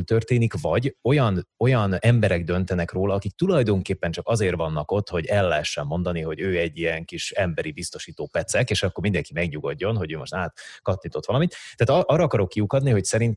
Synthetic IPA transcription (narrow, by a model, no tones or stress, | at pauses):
lt̪ørt̪eːnikvɒɟo̞jɒno̞jɒnɛmbɛɾɛɡd̪ø̞nt̪ɛnɛkroːlɒːkik̚t̪ulɒjd̪o̞ŋkeːpːɛnt͡ʃɒkɒzeːrvɒn̪ːɒko̞t̪ːho̞ɟɛlːɛɦɛʃːɛmːo̞nd̪ɒniɦo̞ɟøːɛɟːijɛŋkiʃɛmbɛɾibist̪o̞ʃiːt̪oːpɛt̪sɛkeːʃɒkːormind̪ɛŋkimɛɡɲuɡo̞ɟːo̞nɦo̞ɟøːmo̞̰ʃt̪aːt̪kɒt̪nit̪o̞t̪ʋɒlɒmit̪ːɛːt̪ʔɒːrːɒːkɒɾo̞kːiukɒd̪niɦo̞csɛɾint̪